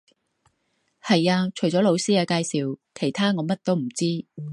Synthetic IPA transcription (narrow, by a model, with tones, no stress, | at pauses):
hɐ˨jaː˧t͡ʃʰɵ˨˩ɥt͡sɔː˨˥lo˨˧wsiː˥aː˧kaː˧jsiː˨wkʰe˨˩jt̪ʰaː˥ŋɔː˨˧mɐ˥t̚t̪o˥wm̩˨˩t͡siː˥